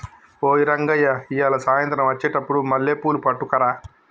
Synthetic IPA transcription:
oːiɾɐŋɡɐjɐijaːlɐsaːjɐnt̪ɾɐmʋɐt͡ʃːeːʈɐpːuɽumɐlːeːpuːlupɐʈːukɐɾaː

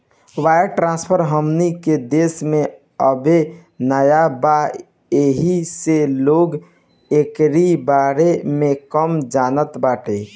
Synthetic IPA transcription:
waːjəʈɾãːspʰəɾɦəmniked̪eːsmẽ | əbe | nəjaba | eɦiseloːɡ | ekɾibaːɾemẽkəmd͡ʒaːnət̪baːʈeː

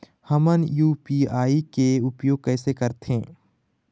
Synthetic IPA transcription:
həmənjuːpiːaːikeʊpjoːɡ̚kɛːsekɐɾt̪ḛ̃ː

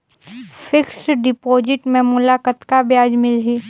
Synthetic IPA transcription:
fʰɪksɖɪpoːd͡ʒɪʈmẽmʊlaːkət̪kabjaːd͡ʒmɪlɦiː

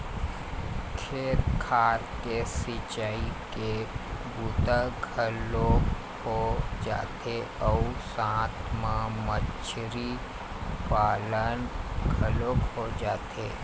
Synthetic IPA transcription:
kʰeːt̪kʰaːɾkesit͡ʃaikeɡʊt̪əɡʱəlok | hod͡ʒa̰ːt̪eɔusãːt̪ʰmãmət͡ʃʰɾi | paːlənɡʱəlokɦod͡ʒaːt̪eː

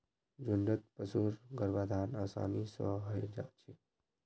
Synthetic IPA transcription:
d͡ʒunɖət̪̚pəsuːɾɡəɾbaːd̪ʱaːnaːsa̰ːnisɔ̰ɦəiɾd͡ʒat͡ʃʰi

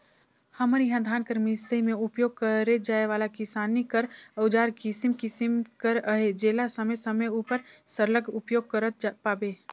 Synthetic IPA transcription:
həməɾiɦãd̪ʱaːnkəɾmisəimẽʊpjoːɡ̚kəɾed͡ʒaːeʋaːlakɪsaːnikəɾəʊd͡ʒaːɾkɪsimkɪsimkəɾəɦed͡ʒeːlasəməjsəməjuːpəɾsəɾləɡʊpjoːɡ̚kəɾəpaːbeː

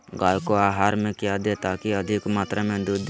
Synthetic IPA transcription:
ɡaːjkoaːɦaːɾmẽkɪjad̪eːt̪akiɐd̪ʱɪkmaːt̪ɾəmẽd̪uːd̪

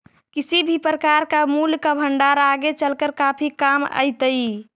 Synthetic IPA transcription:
kisibʱipɾəkaɾkamulkabʱəɳɖaɾaɡet͡ʃəlkəɾkapʰikamə̰jt̪əj

